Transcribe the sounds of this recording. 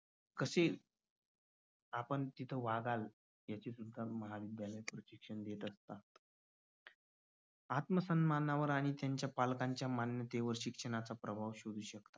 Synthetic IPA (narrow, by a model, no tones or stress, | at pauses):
kəse | apəɳt̪it̪ʰəʋaɡal | jat͡ɕesud̪ʱːaməɦaʋid̪jaləjpɾəɕikʂəɳd̪jet̪əst̪at̪ | at̪məsənmanaʋəɾaɽ̃it̪jaɲt͡ɕjapalkaɲt͡ɕjamanjət̪eʋəɾɕikʂəɳ̃at͡sapɾəbʱaʋɕod̪ʱuːɕəkt̪ḁ